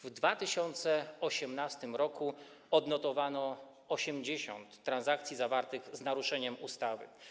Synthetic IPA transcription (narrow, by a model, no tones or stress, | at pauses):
vd̪vat̪ɘɕɔnt̪sɛɔɕɛmnast̪ɘmɾɔku | ɔd̪nɔt̪ɔvanɔ | ɔɕɛmd͡ʑeɕɔ̰nt̪ːɾanzakt̪sʲjizavaɾt̪ɘɣznaɾuʂɛɲɛmust̪avɘ̰